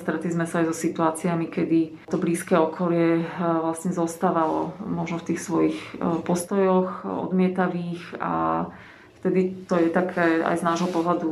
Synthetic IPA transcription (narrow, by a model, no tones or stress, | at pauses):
st̪ɾɛt̪lizmɛsaajzɔsit̪uaːt͡siamikɛd̪i | t̪ɔbliːskɛɔkʰɔlɪɛʋlasɲɛzɔst̪aːʋalɔ̰mɔʒnɔft̪iːxsʋɔjixpɔst̪ɔjɔxɔ̰d̪mɪɛt̪aʋiːxa̰ | ft̪ɛd̪it̪ɔjɛt̪akʰɛa̰jznaːʒɦɔpɔɦlad̪u